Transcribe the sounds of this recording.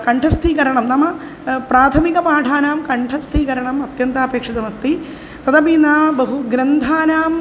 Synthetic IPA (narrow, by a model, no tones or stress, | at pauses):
kɐɳʈʰɐst̪ʰikɐɾɐɳɐmnɐmɐ | pɾaːt̪ʰɐmikɐmaːɖʱaːnaːmkɐɳʈʰɐst̪ʰikɐɾɐɳɐmɐt̪jɐnt̪aːpeːkʂid̪ɐmɐst̪i | t̪ɐd̪ɐbiːnaːɐbɐɦuɡɾɐnd̪ʱaːnaːm